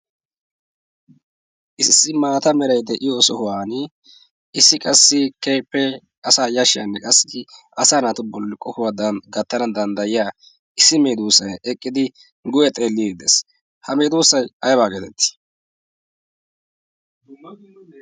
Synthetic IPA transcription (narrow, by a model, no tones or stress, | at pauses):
ʔɪsːɪmaːt̪ɐmɛɾɐjd̪ɛʔɪjoːsɔhʊwaːn | ɪsːɪkʼɐsːɪkejpːɛ | ɐsaːjɐʃɪja̰nːɛkʼɐsːɪ̥ | ɐsaːnat̪ʊbɔlːɪkʼɔkʊwad̪ɐnɡɐt̪ːɐnɐd̪ɐnd̪ɐjɪjaː | ʔɪsːɪmeːd̪uːsɐjɛkʼːɪd̪ɪ | ɡʊjɛt̪ʼe̞ːlːid̪ɛs | hɐme̞ːd̪uːsːɐjɐjbaːɡeːt̪ɛt̪ːɪ̥